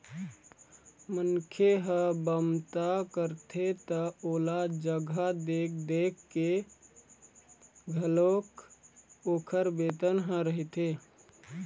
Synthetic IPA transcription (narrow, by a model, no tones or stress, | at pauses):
mənkʰeɦəbəmt̪akəɾt̪ʰet̪əoːlad͡ʒəɡʱad̪eːk̚d̪eːkːe | ɡʱəloːk | oːkʰəɾbeːt̪ənɦə̃ɾəɦit̪eː